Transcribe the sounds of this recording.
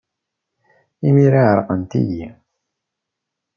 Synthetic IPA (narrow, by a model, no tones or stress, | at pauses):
imiɾaʕəɾˤqənt̪ḭji